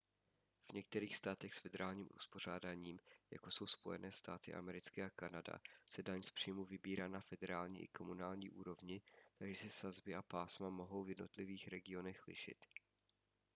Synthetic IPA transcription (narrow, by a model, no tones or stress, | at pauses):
v̥ɲɛk̚t̪ɛɾiːxst̪aːt̪ɛxsfɛdɛɾaːlɲiːmʔṵspo̞r̝aːdaːɲiːmja̰ko̞so̞wspo̞jɛnʔɛːst̪a̰ːt̪ɪ̰ʔa̰mɛɾɪt͡skɛakanada̰sɛdaɲspr̥ijmuvɪbiːɾaːnafɛdɛɾaːlɲḭːʔɪ̰ko̞munaːlɲiːʔuːɾo̞vɲɪt̪aɡʒɛsɪsazbɪʔapaːsmamo̞ɦo̞wvjɛdnot̪lɪviːxɾɛɡɪo̞nɛxlɪ̰ʃɪ̰t̪